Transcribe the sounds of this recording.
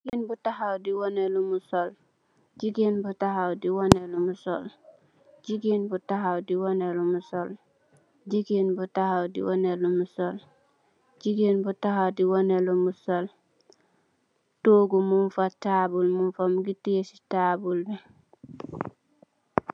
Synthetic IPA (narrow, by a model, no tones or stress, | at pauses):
iɡinbutahawdiwonelumusol | d͡ʒɟiɡinbutahawdiwonelumusol | ɟiɡinbutahawdiwonelumusol | ɟiɡinbutahawdḭwonelumusol | ɟiɡinbutahawdiwonelumusol | toːɡumunfatabulmunfamuɡitiesi̥tabulbɛ